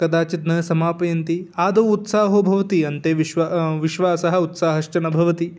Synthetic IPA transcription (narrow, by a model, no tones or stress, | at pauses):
kɐd̪aːt͡ʃit̪nɐsɐmaːpɐjɐnt̪iːaːd̪ɐːut̪saːɦobʱɐʋɐt̪iɐnt̪eːʋʋʋiʃʋaːsɐɦɐut̪saːɦɐʂt͡ʃɐnɐbʱɐʋɐt̪i